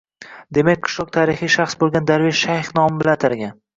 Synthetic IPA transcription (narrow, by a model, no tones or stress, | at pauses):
d̪e̞makʲqʰɨ̥ʃlˠɒq̚t̪ʰaɾɪχijʃaχsbolˠɡʲand̪aɾveʃʃajχnɒmɪbɪlant̪ʰɪɾɡʲan